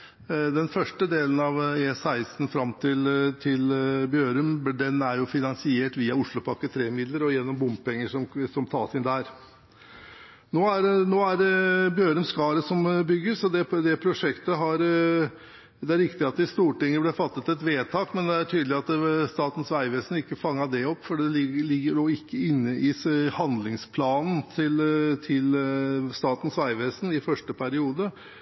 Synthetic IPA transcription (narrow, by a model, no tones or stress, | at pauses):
d̪ɛnfœʂʈəd̪eːlənɑʋeːsæɪst̪nfɾɑmːt̪ʰɪlt̪ʰɪlbjøːɾʉmd̪ɛnæɾjʊfɪnɑnsɪeːʈʋiːɑʊʂlʊpʰɔɑkːət̪ʰɾeːmɪd̪ləɾɔjɛnːɔmbʊmpɛŋːəʂɔmsɔmt̪ʰɑ̰ːsɪnd̪æɾ | noːæɾnoːæɾbjøːɾʉmskɑːɾəsɔmbʏɡːəsɔd̪ɛd̪ɛpʰɾʊʂɛkt̪əɦɑɾ | d̪ɛæɾɪkt̪ɪɑt̪d̪ɪst̪uːʈɪŋːəblɛfɑt̪ːət̪ɛt̪ʋeːt̪ʰɑːkmɛnd̪ɛæʈʰyːd̪lɪɑt̪st̪ɑːt̪n̩sʋæɪʋeːsn̩ɪkːəfɑŋːɑd̪ɛɔpːfɔɖɛlɪəɭɪɡːəɖoːɪkːəɪnːəʔɪhɑnd̪lɪŋspʰlɑːnn̩t̪ʰɪlt̪ʰɪlst̪ɑːt̪n̩sʋæɪʋeːsnɪfœʂʈəpʰæɾɪuːd̪ə